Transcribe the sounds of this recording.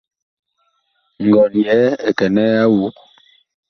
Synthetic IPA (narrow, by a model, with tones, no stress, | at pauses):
ŋ˨ɡɔ˨njɛ˨˦ɛ˨kɛ˨nɛ˦a˦wu˨˦k